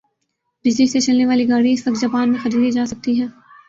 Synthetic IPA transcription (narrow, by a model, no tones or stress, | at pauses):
bɪd͡ʒliset͡ʃɐlneʋaːliɡaːɽiɪsʋɐk̚t̪d͡ʒɐpaːnmẽxɐɾiːd̪id͡ʒaːsɐk̚t̪iɦɛ̃ː